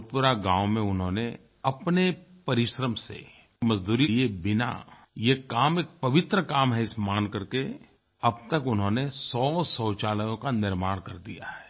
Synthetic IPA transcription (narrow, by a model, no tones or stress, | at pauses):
pʊɾaɡãːʋwmẽʊnɦõːne | ɐpnepɐɾɪʃɾəmsḛ | mɐzd̪uːɾiiebɪna̰ | jekaːmeːk̚pɐʋɪt̪ɾəkaːmɦɛɪsmaːnkɐɾke | ɐb̚t̪ɐkʊnɦõːnesɔːsɔːt͡ʃaːləjõkanɪɾmaːɽ̃kɐɾd̪ija̰ɦɛː